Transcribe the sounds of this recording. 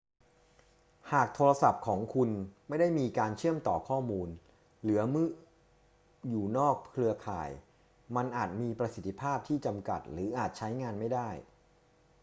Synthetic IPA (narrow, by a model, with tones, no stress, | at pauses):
haː˨˩k̚t̪ʰoː˧ɾa˧sa˨˩p̚kʰɔː˩˦ŋkʰu˧nma˥˩jda˥˩jmiː˧kaː˧nt͡ɕʰɯ˥˩əmt̪ɔː˨˩kʰɔː˥˩muː˧n | lɯ˩˦ɐmɯ˥˩ | juː˨˩nɔː˥˩k̚kʰlɯ˧ɐkʰa̰ː˨˩j | ma˧nʔaː˨˩t̪̚miː˧pɾa˧si˨˩t̪ʰːi˦˧˩pʰaː˥˩p̚t̪ʰiː˥˩t͡ɕa˧mka̰˨˩t̪̚ɾɯː˩˦ʔaː˨˩t̪̚t͡ɕʰa˦˥jŋaː˧nma˥˩jdaː˥˩j